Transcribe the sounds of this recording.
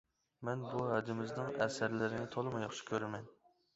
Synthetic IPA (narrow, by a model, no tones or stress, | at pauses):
mɛnbuɦæd̪ɪmɪznɨŋɛ̰sæɾlɪɾɪnɪt̪ʰolˠɨmɑjɑχʃɪ̥kʲʰøɾɪmɛn